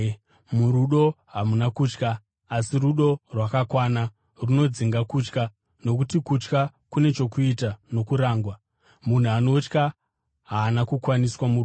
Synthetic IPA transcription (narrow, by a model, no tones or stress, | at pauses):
muɾuɗo̞ | ɦamunakuːt͡ʃkaː | siruɗo̞rwakakwana | runo̞d͡ziŋɡakut͡ʃka | no̞k̬utikut͡ʃka | kune̞t͡ʃo̞kuitano̞kuɾaːŋɡwa | mun̤uano̞t͡ʃka | ɦaːnakukwaniswamu